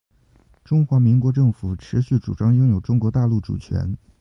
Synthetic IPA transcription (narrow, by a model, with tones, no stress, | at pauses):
ʈ͡ʂʊ˥ŋxwa˧˥mi˧˥ŋkwɔ˧˥ʈ͡ʂɤ˥˩ŋfu˨˩˦ʈ͡ʂʰɻ̩˧˥ɕy˥˩ʈ͡ʂu˨˩ʈ͡ʂɑ˥ŋjʊ˥ŋjo˨˩ʊʈ͡ʂʊ˥ŋkwɔ˧˥t̪a˥˧lu˥˩ʈ͡ʂṵ˨˩t͡ɕʰɥɛ̰˧˥n